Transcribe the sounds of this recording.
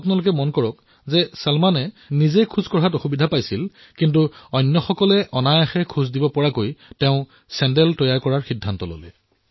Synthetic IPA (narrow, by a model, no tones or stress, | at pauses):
apʊnalʊk̬ɛmɔnkɔɹɔk | zɛsalmanɛ | nizejkʰuzkɔɹɦatɔxubidʱapajsil | kint̬uɔjnːɔxɔkɔlɛʔɔnajaxɛkʰuzdibɔpɔɹakojtɛʊ̃ | sɛndɛltɔjajkɔɹaɹxidʱːantɔlo̰lɛ